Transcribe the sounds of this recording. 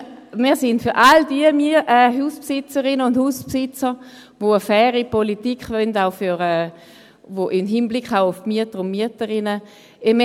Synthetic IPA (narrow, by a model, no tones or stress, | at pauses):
miːɐsɪntfyɐʔaldiəmiʔɛɦuːspsɪt͡səʁɪnəʊndhuːspsɪt͡sə | voəfɛːʁipolitikχvœndaʊfyʁɛː | voʔɪmɦinblɪkχaʊʊfmyətəʁʊnmyətəʁɪnə | ɪm